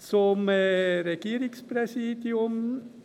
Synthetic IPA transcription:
sɔmɾɛɡeːɾɪŋspɾɛsiːd̪ɪʊm

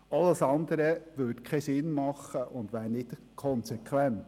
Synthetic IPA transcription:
ɑlːəsɑnd̪əɾəʋʏdkʰeɪsɪnmɑχəʔʊnd̪ʋæːɾnɪt | kʰɔnsekʰʋɛnt̪

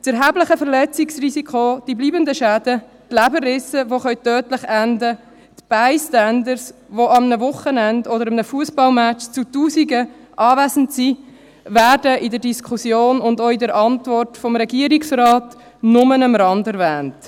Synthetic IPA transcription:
t͡sɛɾɦæːbləχəfəɾlɛt͡siksrisikʰod̥ibliːbənd̪əʃæːd̥ə | tlæbərɪsəʋoχœʏtœːtlɪχændə | t̪b̥aɪstænd̪əɾsʋoɑmnəvʊχənændɔdəɾɑmnəfuəsbɑlmæt͡ʃt͡sutuːsiɡə | ʔɑːvæzən̩tsi | væːɾdəʔidəɾdiskχusjoːnʊndoidəɾʔɑntvɔrtfɔmɾɛɡiəɾiksrɑːt | nʊmənəmɾɑndɛɾvæːnt

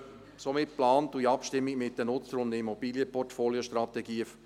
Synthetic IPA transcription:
somɪt̚plɑːnt̪ːuiɑpʃtɪmːiɡmɪtdənʊt͡səɾʊnd̪əimɔbiːlijəpɔrtfoːljoʃtɾɑt̪ɛɡiː

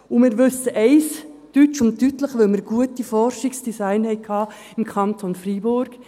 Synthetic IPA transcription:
umɪːɾʋʉsəʔɛɪs | tyt͡ʃʊntːytləχʋœlməɾɡuətifɔrʃɪksd̥isaɪnhɛɪkʰhɑː | ɪmkʰɑntʰonfribʊɾɡ̥

